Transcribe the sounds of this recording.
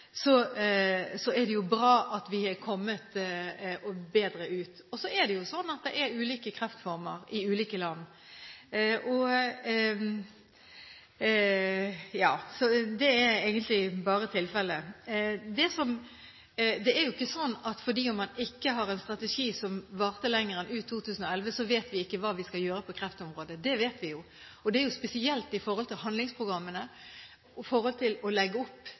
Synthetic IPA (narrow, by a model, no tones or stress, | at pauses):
sɔ | sɔɛd̪ɛjʊbɾɑːɑt̪ʋɪhɛɾkʰɔmːət̪ | ɔbeːd̪ɾəʉːt̪ | ɔsɔɛd̪ɛjʊsɔnːɑt̪̚d̪ɛʔɛɾʉːliːkəkʰɾɛft̪fɔɾməɾɪʉːliːkəlɑnː | ʔɔ | jɑːsɔd̪ɛɛɾɛɪɡənt̪lɪbɑːɾət̪ʰɪlfɛlːə | d̪ɛsɔm | d̪ɛæɾjʊɪkːəsɔnːɑt̪fɔd̪iːɔmːɑnɪkːəɦɑʁɛnst̪ɾɑt̪ɛʂiːsɔmʋɑːʁt̪əlɛŋːəɾɛnʔʉːt̪ʰːuːt̪ʰʉːsən̩ɔɛlʋəsɔʋeːt̪ʋɪɪkːəʋɑːʋɪskɑljøːɾəpʰɔkʰɾɛft̪ɔmʁoːd̪əd̪ɛʋeːt̪ʋɪjʊ | ɔd̪ɛæɾjʊspɛsɪɛlt̪ɪfɔɾhɔlt̪ɪlhɦɑnlɪŋspʰʁʊɡɾɑmːənə | fɔɾhɔlt̪ʰɪlɔlɛɡːəʊpː